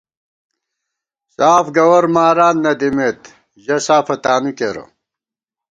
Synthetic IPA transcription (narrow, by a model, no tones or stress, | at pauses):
saːfɡɐwɐɾmaːɾaːnnɐd̪imet̪ | ʑɐsaːfɐt̪aːmikeɾɐ̰